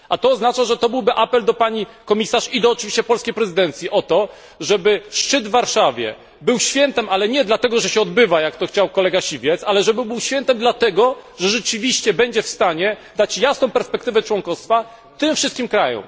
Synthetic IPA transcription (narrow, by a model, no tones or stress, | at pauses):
ʔat̪ɔːznat͡ʂaʐɛt̪ɔbɘwbɘʔapɛld̪ɔpaɲikɔmʲisaʂid̪ɔːt͡ʂɨvʲiɕt͡ɕɛpɔlskʲejpɾɛzɘd̪ɛnt̪sʲjiʔɔt̪ɔ | ʐɛbɘʂt͡ʂɘd̪vːaɾʂavʲjɛ̰ | bɘwɕfʲjɛnt̪ɛmalɛɲɛd̪lat̪ɛɡɔʐɛɕɛɔd̪̚bɘvajakt̪ɔxt͡ɕawkɔlɛɡaɕivʲjɛt̪salɛʐɛbɘbɘwɕfʲjɛnt̪ɛmd̪lat̪ɛɡɔʐɛʐɛt͡ʂɘvʲiɕt͡ɕɛbɛɲd͡ʑɛfst̪aɲɛd̪at͡ɕjasnɔ̃w̃pɛɾspɛkt̪ɘvɛt͡ʂwɔŋkɔst̪fa | t̪ɘmfʂɨst̪kʲimkɾajɔ̰̃m